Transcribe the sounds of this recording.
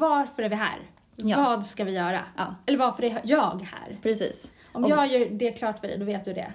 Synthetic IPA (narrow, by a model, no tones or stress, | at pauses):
vaɾfœɾæɾvɪɦæ̰ːɾ | vɑːd̪skavɪjœːɾa̰ɛlːəɾvaɾfəɾæjɑːɡhæ̰ːɾpʰɾɛsiːs | ɔmjɑːajɵd̪ɛækʰlɑːʈfœɖɛ̰jd̪ɔveːt̪̚d̪ɵd̪ɛ̰